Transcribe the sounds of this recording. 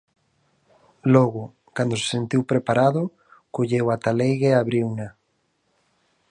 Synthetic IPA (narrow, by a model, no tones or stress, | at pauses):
lɔɣʊ | kand̪ʊse̥sent̪iwpɾepaɾaðʊ | koʎewat̪alejɣeaβɾiwna